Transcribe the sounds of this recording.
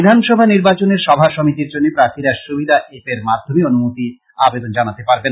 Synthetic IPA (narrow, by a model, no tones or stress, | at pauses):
d̪ʱanʃɔbʱaniɾbat͡ɕoneɾʃɔbʱaʃɔmit̪iɾd͡ʑonːepɾat̪iɾɛʃobʱid̪aʔepeɾmad̪ʱːomionumut̪i | abed̪ond͡ʑanat̪epaɾben